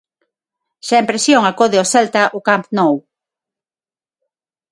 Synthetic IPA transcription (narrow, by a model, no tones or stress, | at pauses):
ʃaempɾesjoŋakoðɪosɛlt̪aʔʊkampnow